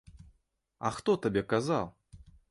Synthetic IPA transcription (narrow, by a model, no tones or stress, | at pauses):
ɐ̰xt̪ɔt̪abʲɛkazalˠ